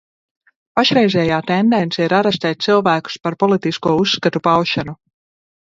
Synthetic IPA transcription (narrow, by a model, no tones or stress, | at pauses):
paʃɾɛjzɛːjaːt̪end̪ɛnt̪sɛiɾaɾɛs̬t̪ɛːt̪̚silˠvæːku̥spaɾpɔlˠit̪iskuɔusːkat̪upawʃanu